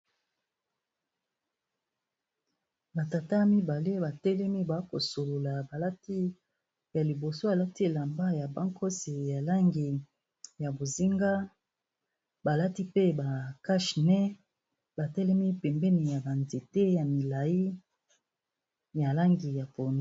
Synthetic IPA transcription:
ba˨ta˨ta˦mi˦ba˨le˦ba˨tɛ˦lɛ˦mi˦ba˨˦ko˨so˨lo˨la˨ba˨la˦ti˦ | ja˨li˨bo˨so˦ja˨la˦ti˦e˨la˨mba˦ja˨ba˦ŋkʰo˦si˨ja˨la˦ŋɡi˨ | ja˨bo˨zi˦ŋɡa˦ | ba˨la˦ti˦pe˦ba˨ka˦ʃnɛ˦ | ba˨tɛ˦lɛ˦mi˦pɛ˨mbɛ˦ni˨ja˨ba˨nzi˨te˦ja˨mi˨la˨ji˦ | ja˨la˦ŋɡi˨ja˨po˨n˦

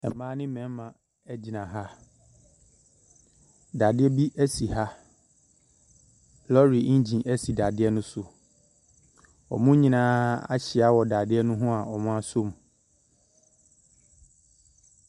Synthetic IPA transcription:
ɛ˨mãː˦nɪ̃˦mɛ̃˨˦mã˨ | ɛ˦d͡ʑi˨nã˨ɦa˦ | da˨dɪ˦ɛ˦bi˦ʔæ˦si˨ha˦ | lɔ˦ɾi˨˦d͡ʑĩ˨ʔæ˦si˨da˨dɪ˦ɛ˦nʊ̃˦sʊ˨ | ɔ̰˨mʊ̃˦ɲĩ˦nãː˦a̰˦ɕɪ˨a˦wɔ˨da˨dɪ˦ɛ˦nʊ̃˦ɦʊ̃˦a˨ɔ˨mʊ̃˦a˦sʊ˦˨m˨

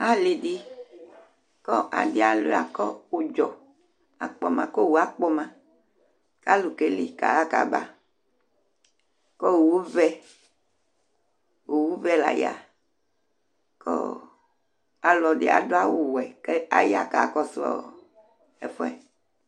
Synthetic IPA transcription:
a˨li˨ɖi˦ | kɔ˦ʔa̰˨di˦a˨lu˨a˨kɔ˦wo˨d͡ʒɔ˨ | a̰˨k͡pɔ̰˦mã˨kɔ˦wu˨a˦k͡pɔ˦mã˦ | ka˦lu˨ke˦lḭ˨ka̰˨a˦ka̰˦˨ba̰˨ | kɔ˦wwu˦vɛ˦ | wo˨wu˦vɛ˦la̰˨ja̰˨ | kɔ̰˦ | a˨lɔ˨ɖḭ˦a̰˨do˦a˦wo˨wɛ˨ke˦a˨ja˨ka˦˨kɔ˦sɔ̰˦˨ | ɛ̰˦fɔ˦ɛ̰˨

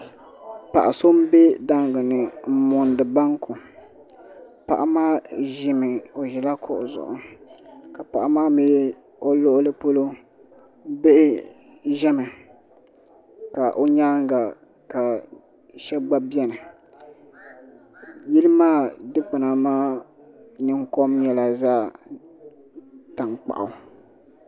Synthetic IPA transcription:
pa˨ʔa˨so˦m̩˦be˦da˦ŋ˨ɡɨ˨nɨ˨m̩˦mʊ˨ndɨ˨ba˦ŋkʊ˨ | pa̰˨ʔa˦maː˦ʒɪ˦mɨ˨o˨ʒɛ˨la˦kʰʊ̰˦˨ʔʊ̰˨zʊ̰˨ʔʊ˨ka˨pa˨ʔa˨maː˦me˦ | o˦lo˦ʔʊ˦lɨ˦po˦lo˦ | be˦ʔɪ˦ | ʒɛ˦mɨ˨ | ka˨ʔo˦ɲa˦ŋ˦ɡa˨ | ka˨ | ʃɛ˦bɡ͡ba˦bi˦ɛ˦nɨ˨ | ji˦lɨ˦maː˦dɨ˦k͡pa˨na˨maː˦ | nɨ˦ŋ˦ko˦mjɛ˦la˨zaː˦ | ta˨ŋk͡pa̰˨ʔa˨

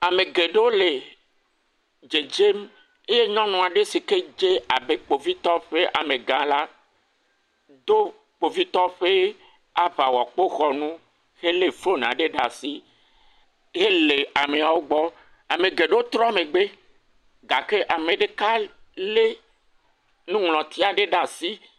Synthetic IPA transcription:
a˨me˨ɡe˨ɖe˦wo˦le˨ | d͡ʒe˨d͡ʒe˦m | e˦je˦ɲɔ̃˦nɔ̃˨a˨ɖe˦si˨ke˦d͡ʒe˦a˨be˦k͡po˨vi˦t̪ɔ˦ɸe˦ʔa̰˨mẽ˨ɡã˨la˦ | d̪o˦ | k͡po˨vi˦t̪ɔ˦ɸe˦ | a˦ɸa˨wɔ˨k͡po˦xɔ˨nũ˦ | ɣe˦le˨fo˦n˨ã̰˨ɖe˦ɖa˨si˦ | ɣe˦le˨a˨me˨a˨wo˦ɡ͡bɔ˦ | a˨mẽ˨ɡe˨ɖo˦t̪ɾɔ̃˦˨me˨ɡ͡be˦ | ɡa˨ke˦ʔa˨mẽ˨ɖe˦˨ka˦le˦ | nũ˦ŋlɔ̃˨t̪i˦a˨ɖe˦ɖa˨si˦

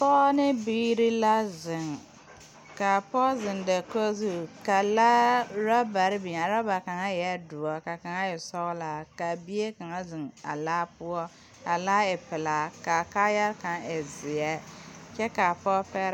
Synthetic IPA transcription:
pɔ˦nɪ˦biː˦ɾi˦la˦zɪ˨ŋ | ka˨pɔ˦zɪ˨nda˨ko˦zu˦˨ka˨laː˦ɾa˦ba˨ɾɪ˦bi˨ɲ˨a˨ɾa˦ba˨ka˨ŋa˦jɛ˦dʊ˨ɔ˨ka˨ka˨ŋa˦ɪ˨sɔ˦ɣla˨ka˨bi˦e˦ka˨ŋa˦zɪ˨ŋa̰˨laː˦pʊ˦ɔ˦ | a˨laː˦ɪ˨pɪ˨la˨ka˨ka˦ja˦ɾka˨ŋɪ˨zɪ˨ɛ˦t͡ʃɛ˦ka˨pɔ˦pɛ˦ɾ

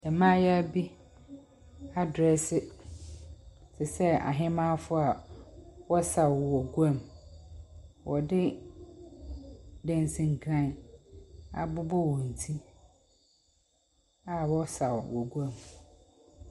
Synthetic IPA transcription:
dɛ˨mã˦jɛ˦a˦bi˦ | a˨dɾɛ˨sɪ˨ | sʰɪ˨sɛ˦a̰˨ɦɪ̃˦mã˦fʊ˦a˨ | wɔ˦sa˨wɔ˨ɡu˦ã˦˨m | wʔɔ˨dɪ˦ | dɛ̃˦n˨sĩ˨ŋ̩˨kʰɾã˦˨ | a̰˨bʊ˦bɔ˦˨wɔ̃˨n̩˨tʰi˦ | a˨wɔ˦sa˨wwɔ˨ɡu˦a˦˨m

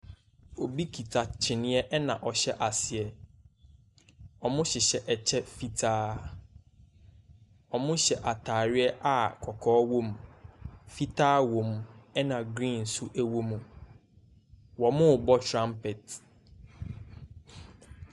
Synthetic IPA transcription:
o˨bi˦kʰi˨tʰa˨t͡ɕʰɪ˨nɪ̃˦ɛ˦ʔɛ˦nã˨ʔɔ˨ɕɛ˦ʔa˨sɪ˨ɛ˨ | ɔ˨mʊ̃˦ɕɪ˨ɕɛ˨ʔɛ˨t͡ɕʰɛ˦fi˦tʰaː˦ | ɔ˨mʊ̃˦ɕɛ˨ʔa˨tʰaː˨ɾɪ˦ɛ˦ʔa˨kʰɔ˨kʰɔː˦wõ˦m | fi˦tʰaː˦wõ˨m˨ɛ˦nã˨ɡɾĩ˦˨n˨sʊ˦ʔæ˦wo˦mũ˨ | wɔ˨mʊ̃˦˨bɔ˦tʰɾã˦mpɛ˨t

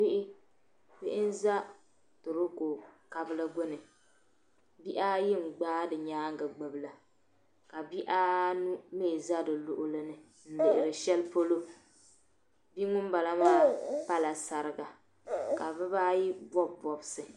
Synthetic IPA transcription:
bɪ˦ʔɪ˦ | bɪ˦ʔɪ˦n̩˦za˦ | tʊ˨ɾo˦ko˨ka˨bɨ˦lɨ˦ɡʊ˦nɨ˨ | bi˦ʔa˦jɪ˦ŋ̩˨ɡ͡baː˦dɨ˨ɲaː˦ŋ˦ɡa˨ɡ͡bɨ˨bɨ˨la˨ | ka˨bi˦ʔa˦nu˦me˦˨za˦dɨ˨lʊ˨ʔʊ˦lɨ˦nɨ˨ | n̩˦bɪ˨ʔɪ˨ɾɨ˨ʃɛ˦lpo˦lo˦ | bi˦ŋʊ˦m˦ba˨la˦maː˦pa˦la˨sa˨ɾɨ˨ɡa˨ | ka˨bɨ˦baː˦ji˦bɔ˦bɔ˨bsɨ˨

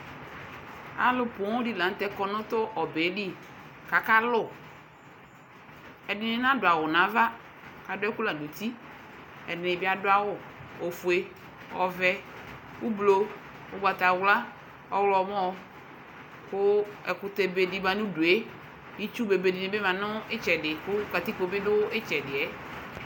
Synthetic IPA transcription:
a̰˨lʊ˦pʊ̃˨˦ʊ˦di˦lã˨˦t̪ɛ˦kɔ˨nʊ̃˦t̪ʊ˦ʔɔ˨be˨˦di˦ | ka˨ka˦lʊ˦˨ | ɛ˨dɪ˨nɪ̃˦nã˦dʊ˨a˨wʊ˨nã˨˦va˦ | ka˨dʊ˦ɛ˦ku˦la˨nũ˨t̪i˦ | ɛ˨dɪ˨nɪ̃˨bɪ˦a˨dʊ˦a˦wʊ˨ | ɔ˨fu˨e˦ | ɔ˨vɛ˦ | ʊ˦blo˦ | ʊ˦ba˨t̪a˨wla˦ | ɔ˦wlɔ˨m˦ɔ̃˦ | kʊ˦ɛ˨kʊ˨t̪e˨be˨di˨mã˨nʊ̃˦du˨e˦ | i˦t͡ʃu˦be˨be˨di˨nɪ̃˨be˦mã˨nʊ̃˦ɪ˦t͡ʃɛ˨dɪ˨kʊ˦ka˨t̪i˦ko˨bɪ˦dʊ˦ɪ˦t͡ʃɛ˨dɪ˨ɛ˨˦

